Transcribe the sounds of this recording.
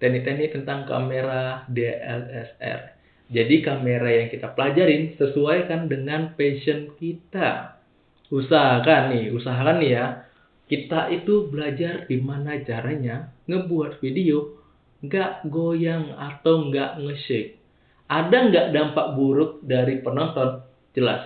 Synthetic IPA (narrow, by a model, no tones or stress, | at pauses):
t̪ɛnɪʔt̪ɛnɪt̪ənt̪aŋka̰meɾadeʔɛ̰sɛsɛ̰r | d͡ʒadikameɾajaŋkit̪apəlad͡ʒaɾɪnsəsuajkandəŋanpesənkit̪a̰ | usaɦakanːɪhusaɦakanja | kit̪aʔit̪ubəlad͡ʒardimanat͡ʃaɾaɲaŋəbuat̪̚fidio | ŋɡaʔɡojaŋat̪awŋɡaʔŋəʃɪk̚ | ʔadaŋɡaʔdampaʔbuɾʊk̚daɾipənɔnt̪ɔn | d͡ʒəla̰s